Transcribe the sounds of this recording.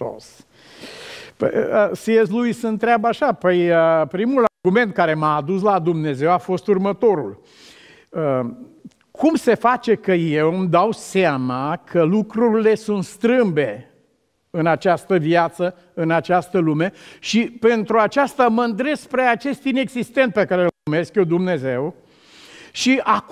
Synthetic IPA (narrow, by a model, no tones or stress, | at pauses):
o̰s | pə̰əsies̬lujsɨnt̪ɾeabaʃapəjəpɾimularɡume̞nt̪̚kaɾe̞maːd̪uslad̪umne̞ze̞wafo̞st̪urmət̪o̞ɾul | ə | kʰumse̞fat͡ʃe̞kəje̞wmd̪awsamakʰəlukɾuɾile̞sunt̪st̪ɾɨmbe̞ | ɨnat͡ʃast̪əviat̪sə | ɨnat͡ʃast̪əlume̞ʃipe̞nt̪ɾuat͡ʃast̪aməɨnd̪ɾe̞spɾeat͡ʃe̞st̪ine̞ɡzist̪e̞nt̪̚pe̞kaɾeelume̞skjewd̪umne̞ze̞w | ʃiʔa